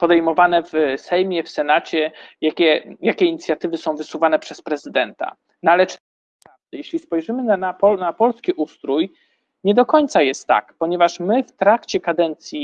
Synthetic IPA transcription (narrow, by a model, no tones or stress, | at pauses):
pɔd̪ɛjmɔvanɛvsɛjmʲjɛfsɛnat͡ɕɛjakʲɛjakʲɛiɲit̪sʲjat̪ɘvɘsɔ̃w̃vɘsuvanɛpʂɛspɾɛzɘd̪ɛnt̪a̰ | nalɛt͡ʂt̪ | pɾavd̪ɛjɛɕlʲispɔjʐɘmɘnanapɔnapɔlskʲiʔust̪ɾuj | ɲɛd̪ɔkɔɲt̪sajɛst̪ːa̰kpɔɲɛvaʂmɘft̪ɾakt͡ɕɛkad̪ɛnt̪sʲji